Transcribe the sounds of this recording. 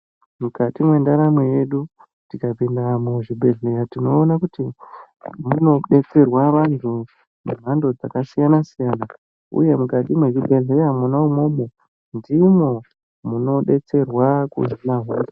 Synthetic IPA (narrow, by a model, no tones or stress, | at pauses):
mukatimwe̞ndaɾamwe̞je̞ɗu | tikapendamuʐibʱe̞ɮe̞ɾatino̞ːnakuti | muno̞ɗe̞t͡se̞rwaʋantʰu | mum̤ando̞d͡zakasijanasijana | ṵje̞mukatimwe̞ʐibʱe̞ɮe̞jamunaumo̞mo | ndimo̞ | muno̞ɗe̞t͡se̞rwakṵzinaɦoa